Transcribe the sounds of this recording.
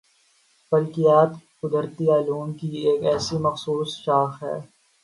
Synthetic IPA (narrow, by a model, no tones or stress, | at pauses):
pɐlkijaːt̪kʊd̪əɾt̪iaːluːnkieːkɛːsimɐxsuːsʃaːxɦɛ̰ː